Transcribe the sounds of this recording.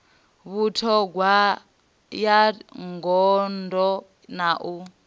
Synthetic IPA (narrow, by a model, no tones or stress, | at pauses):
βutʰɔɡwa | jaŋɡɔndɔ | naʔu